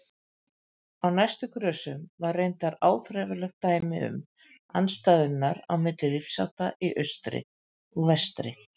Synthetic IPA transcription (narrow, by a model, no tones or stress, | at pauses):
awnajst̪ʏkʰɾœːsʏmvarejnt̪aɾaːwθɾɛvɪlɛxt̪aːjmɪʏ̰m | a̰nst̪aːjðʏnːaɾa̰wmɪt̪lɪɾifsa̰wht̪aʔiʔœɥst̪ɾɪ̰ | ɔɣvɛst̪ɾɪ